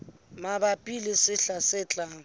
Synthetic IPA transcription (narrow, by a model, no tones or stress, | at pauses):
mabapʼilɪsɪɬasɪt͡ɬʼaːŋ̩